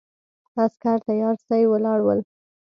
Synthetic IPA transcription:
askaɾt̪ajɑɾsɑjwəlɑɽwəl

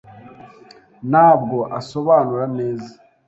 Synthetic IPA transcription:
naːb̚ɡo̞ʔaso̞βaːnuɾane̞ːza

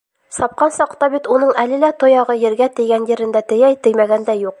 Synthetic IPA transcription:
sɒp̚qɑnsɒqt̪ɑbit̪unɤɴælɘ̆læt̪ŏjɑʁɤjɘ̆ɾɡæt̪ɘ̆jɡænjɘ̆ɾɘ̆nd̪æt̪ɘ̆jæjt̪ɘ̆jmæɡænd̪æjuq̚

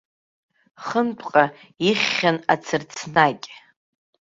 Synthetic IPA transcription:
χənpʷʼqʼa | iχʲːana̰t͡sʰɨrt͡sʰnakʲʼ

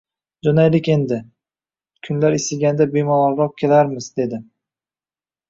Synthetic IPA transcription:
d͡ʒɒnajlɪkʲe̞nd̪ɪ | kʰʊnlaɾesɪlɡʲand̪abemɒlˠɒlɾɒq̚kʲʰelaɾmɪzd̪e̞d̪ɪ

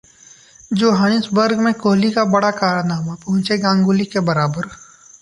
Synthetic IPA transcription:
d͡ʒoːɦaːñɪsbəɾɡmẽkoːɦlikabɐɽakaːɾnaːmapɐɦʊ̃t͡ʃeɡãːŋɡulikebɐɾaːbəɾ

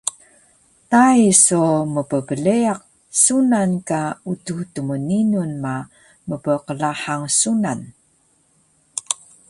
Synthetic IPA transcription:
tajsuməpəpəleaq̚ | sunankaututuməninunma | məpəqəlaħaŋsunan

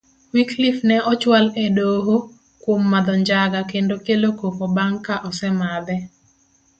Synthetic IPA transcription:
wiklifnɛʔɔt͡ʃwaledoɦo | kwomːad̪ɔɲd͡ʒaɡakendokelokokobaŋkaʔɔsɛmad̪ɛ

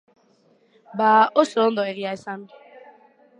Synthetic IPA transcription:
baːoson̩d̪ɔeɾiaesami

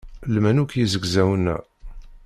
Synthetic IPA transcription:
lmænukjizəɡzæwənːæ̰

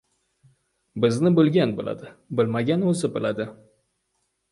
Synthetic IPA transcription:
bɪznɪbɪlɡʲanbɪla̰d̪ɪbɪlmaɡʲanozɪbɪlad̪ɪ

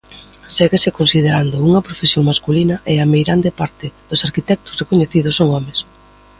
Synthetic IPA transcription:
sɛɣesɪkonsið̞eɾand̪ʊuŋɐpɾofesjoŋmaskulinɐʔɛɐmejɾand̪epaɾt̪ɪð̥osaɾkit̪ɛk̚t̪ʊ̥zrekoɲeθið̞ʊsːoŋɔmes

